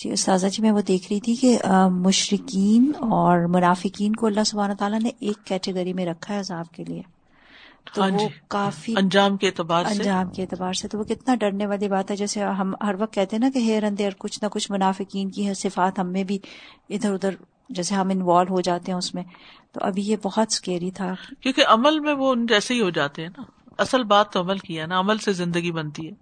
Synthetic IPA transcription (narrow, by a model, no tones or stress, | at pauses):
d͡ʒʰḭːkʊst̪aːzad͡ʒimɛ̃ːʋod̪eːkʰɾɐɦit̪ʰikemʊʃɾɪkiːnɔːɾmʊnaːfɪkiːnkoɐlːaɦsʊbʱaːnot̪aːlaneʔeːkːɛːʈeɡəɾimẽɾɐkʰaɦɛɐzaːb̚kelie | t̪oãːʋod͡ʒkaːfiɐ̃nd͡ʒaːmkeeːt̪ɪbaːɾɐ̃sɲd͡ʒaːmkeeːt̪ɪbaːɾset̪oʋokɪt̪naɖɐɾneʋaːlibaːt̪ɦɛd͡ʒɛːseɦɐmɦɐɾʋɐq̚t̪̚kɛɦt̪ẽɦɛ̃nakeɦeːɾɐ̃nd̪eɔɾkʊt͡ʃʰnɐkʊt͡ʃʰmʊnaːfɪkiːnkiɦɛsɪfaːt̪ɦɐmːẽbʱiɪd̪əɾʊd̪əɾ | d͡ʒɛːseɦɐ̃mɪnʋaːlɦod͡ʒaːt̪eɦɛ̃ʊsmẽt̪o̰ʔɐ̰bʱijebɔɦɔt̪skeːɾit̪ʰakjõːkeʔɐməlmẽʋoʊnd͡ʒɛːseɦiɦod͡ʒaːt̪eɦɛ̃na | ɐsəlbaːt̪ːoɐməlkianaɐməlsezɪ̃nd̪əɡibɐnt̪iɦɛː